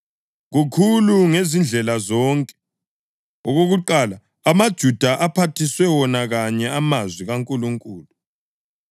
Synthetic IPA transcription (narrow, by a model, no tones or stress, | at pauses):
ɣukʰuluŋezind͡ɮʱɛlazɔŋkʼɛ̥ | ɔɣoɣuǃala | amad̥ʒ̥ʱud̥ʱaʔapʰatʰiswɛwɔnaɣaɲɛamazwiɣaŋkʼuluŋkʼuːlu